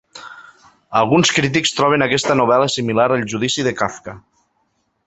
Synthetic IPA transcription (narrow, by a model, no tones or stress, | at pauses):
əlˠɣunskɾit̪̬ikst̪ɾɔβenakɛst̪ənuβ̞ɛləsimilaɾəlˠʒuðisiðəkafka